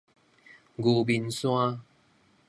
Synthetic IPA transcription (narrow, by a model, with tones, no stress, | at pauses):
ɡu˨˧˩bi˧nsw̃a˦